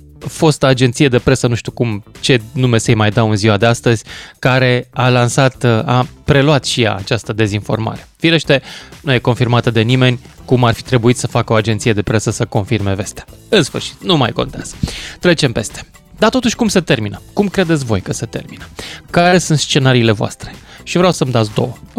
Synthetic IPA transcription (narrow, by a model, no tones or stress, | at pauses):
fo̞st̪ad͡ʒe̞nt̪sijed̪e̞pɾe̞sənuʃt̪ukumt͡ʃe̞nume̞sejmajd̪awɨnziwad̪e̞ast̪əzʲkaɾe̞alansat̪apɾe̞luat̪ʃija̰ːt͡ʃast̪əd̪e̞zinfo̞̰rma̰ɾe̞̥fileʃt̪e̞nujeko̞nfirmat̪əd̪e̞nime̞nʲ | kumarfi̥t̪ɾe̞buit̪səfakəo̞ad͡ʒe̞nt̪sije̞d̪e̞pɾe̞səsəko̞nfirme̞ve̞st̪eḁ | ɨnsfɨrʃi̥t̪numa̰jko̞nt̪ea̰z̥ət̪ɾe̞t͡ʃe̞mpe̞st̪e̥ | d̪at̪o̞t̪uʃʲkumse̞t̪e̞rminəkumkɾe̞d̪et̪sʲvo̞̰jkəse̞t̪e̞̰rminəkaɾe̞sunt̪st͡ʃe̞naɾiːle̞voa̰st̪ɾe̞̥ʃivɾeawsəmd̪at̪sd̪o̞̰wə